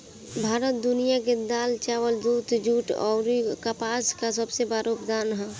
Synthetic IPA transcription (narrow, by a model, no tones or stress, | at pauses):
bʱaːɾət̪̚d̪ʊnijaked̪aːlt͡ʃaːʋəld̪uːt̪d͡ʒuːʈɔ̰ɾikəpaːskasəbsebaɾopd̪aːnɦɛ